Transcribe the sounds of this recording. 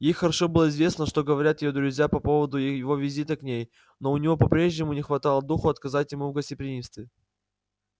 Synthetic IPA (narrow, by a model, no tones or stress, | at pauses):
jejxəɾɐʂo̞bɨlˠəɪzvʲe̞snəʂt̪o̞ɡəvɐɾʲat̪jɪjod̪ɾʊzʲjapɐpo̞vəd̪ʊjɪvo̞vʲɪzʲit̪əknʲej | no̞ʊnʲɪvo̞pɐpɾʲe̞ʐnʲɪmʊnʲɪxvɐt̪ɑlˠəd̪uxʊɐt̪̚kɐzatʲjɪmuvɡəsʲtʲɪpɾʲɪnʲimst̪vʲɪ